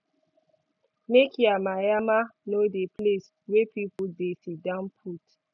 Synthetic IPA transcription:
mekjamajamanodeples | wepipudesidãnpʰut

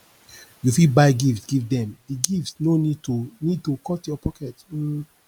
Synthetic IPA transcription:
jufilbaɪɡiftsɡ̥ivdɛ̃mdiɡiftsnonid̚tunid̚tokɔtjɔpʰɔkɛt̩

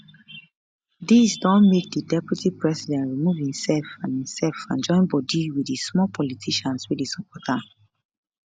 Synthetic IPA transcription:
disdɔ̃nmek̚didɛpɹutipɹɛsidɛ̃ntɹimuvhĩmsɛlfãnĩmsɛlfãnd͡ʒɔ̃ɪ̃nbɔdiwidismɔlpʰɔlitʰiʃɔ̃nswidisɔpʰɔtʰa

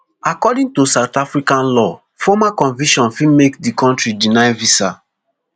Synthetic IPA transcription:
akɔdĩŋtusaʊtafɹikãnlɔ | fɔmakɔ̃nvĩʃɔ̃nfilmekdikɔ̃ntɹidinajvisa

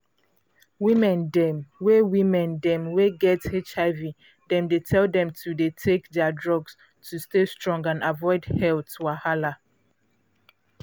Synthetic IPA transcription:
wimɛ̃ndɛmwewimɛ̃ndɛ̃mweɡɛtet͡ʃaɪvi | dɛ̃mdetʰɛldɛ̃mtʰudetʰekdɛadɹɔɡs | tʰustestɹɔ̃ŋɡãnavɔɪdhɛltwahala

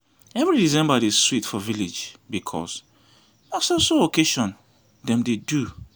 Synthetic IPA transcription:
ɛvɹiɹizɛ̃mbadiz̥switfɔvilid͡ʒbikʰɔ̰s | asɔsookʰeʃɔ̃n | dɛ̃mdedu

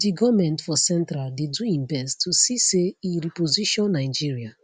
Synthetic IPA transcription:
diɡɔmɛ̃ntfɔsɛ̃ntɾaldeduĩmbɛstʰusiseiɹipoziʃɔ̃nːaɪd͡ʒiɹia

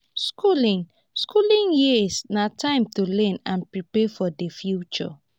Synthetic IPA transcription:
skulĩŋ | skʰulĩŋjisnatʰãɪ̃mtulɛ̃nãnpɹipɛfɔdefjut͡ʃɔ̰

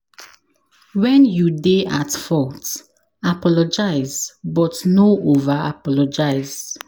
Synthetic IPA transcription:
wɛ̃njudeatfɔt | apɔlɔd͡ʒaɪzbɔtnoʔovaapɔlɔd͡ʒaɪz

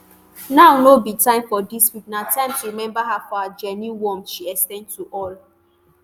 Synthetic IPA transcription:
naʊnobitãɪ̃mfɔdiswik̚natʰãɪ̃mtuɾimɛ̃mbaɦafɔad͡ʒɛniwɔmʃiɛkstɛ̃ndtuʔɔl

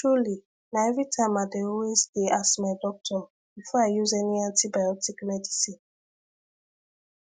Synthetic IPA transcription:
tɹuli | naɛvitʰamadeowesdeasmaɪdɔk̚tʰɔ | b̥ifɔajuzɛniãntibajɔtikmɛdisĩn

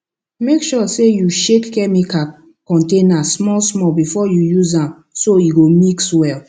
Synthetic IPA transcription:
mekʃɔsejuʃekːɛmika | kɔ̃ntẽnasmɔlsmɔlbifɔjujuzãm | soiɡomikswɛl

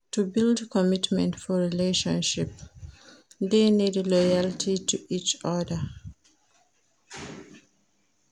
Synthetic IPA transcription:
tubildkʰɔmitmɛ̰̃ntfɔɹileʃɔ̃nʃip | ðenidlɔjaltʰitʰuʔit͡ʃɔdə

